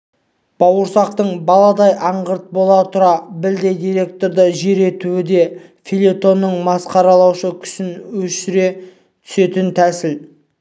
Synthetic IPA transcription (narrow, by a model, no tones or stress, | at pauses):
b̥ɑwəɾsɑq̚t̪əɴbɑlˠɑd̪ɑjʔɑɴʁəɾt̪̚bo̞lˠɑt̪ʰʊɾɑbɪld̪e̞jd̪ijɾe̞k̚t̪o̞ɾd̪əʒe̞ɾe̞t̪uɪd̪e̞ | filʲet̪o̞nːəɴmɑsqɑɾɑlˠɑwʃəkʲʰʏ̥sɪnwɵʃɪɾe̞ | t̪ʰʏ̥se̞t̪ɪnt̪ʰæsɪl